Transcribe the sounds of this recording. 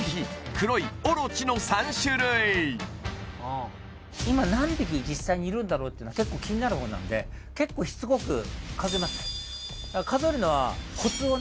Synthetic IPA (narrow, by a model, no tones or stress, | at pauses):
ikɯ̟ɾo̞ioɾot͡ɕino̞sãɰ̃ɕɨɾɯi | imanãmbʲikʲid͡ʑisːaiɲ̟iːɾɯ̟̃nd̪aɾo̞ːt̪ːeɯnoake̞kːo̞ːkʲiɲ̟inaɾɯ̟ho̞ːna̰nd̪e̞̰ke̞kːo̞ːçi̥t͡sɨɡo̞kɯ̟̰kazoimasɨ̥ | d̪akazoeɾɯ̟no̞βa̰kʰo̞t͡sɨo